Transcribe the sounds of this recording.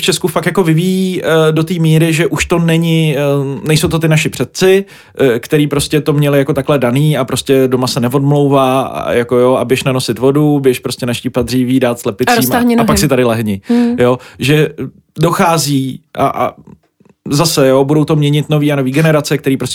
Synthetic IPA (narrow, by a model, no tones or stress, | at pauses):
ft͡ʃɛskufakt̪jako̞vɪvijiːdo̞t̪iːmiːɾɪʒɛʔuʃt̪o̞nɛɲɪnɛjsowt̪o̞t̪ɪnaʃɪpr̝̥ɛt̪̚t͡sɪ | kt̪ɛɾiːpɾo̞scɛt̪o̞mɲɛlɪjako̞t̪aklɛdaniːapɾo̞scɛdo̞masɛnɛvo̞dmlowva̰ːjako̞joʔa̰bjɛʃnano̞sɪt̪vo̞dubjɛʃpɾoscʲɛnaʃcipad̪riːviːdaːt̪slɛpɪiːmaɲapaksɪt̪adɪlɛɦɲɪjoʒɛ | do̞xaːziːʔa̰ʔa̰ | zasɛjo̞budo̞wt̪o̞mɲɛɲɪt̪no̞viːano̞viːɡɛnɛɾat͡sɛkt̪ɛɾiːpɾos